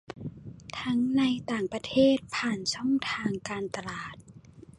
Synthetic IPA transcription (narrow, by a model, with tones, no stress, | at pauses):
t̪ʰa˦˥ŋna˧jt̪aː˨˩ŋpɾa˧t̪ʰeː˥˩t̪̚pʰaː˨˩nsʰɔ˥˩ŋt̪ʰaː˧ŋkaː˧nt̪a˧laː˨˩t̪̚